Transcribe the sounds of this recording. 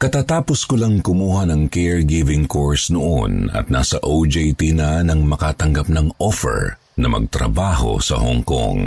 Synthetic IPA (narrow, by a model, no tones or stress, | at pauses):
kɐt̪aːt̪aːposkʊlɐŋkʊmuːhɐnɐŋkɛɹɡɪvɪŋkoɹsnoʔonɐ̰t̪̚na̰sɐʔod͡ʒɛjt̪inɐnɐŋmɐkat̪ɐŋɡap̚nɐŋʔofɛ̰ɹ | nɐmɐ̰ɡ̚t̪ɾɐ̰baːɦo̞̰sɐ̰ho̰ŋko̰ŋ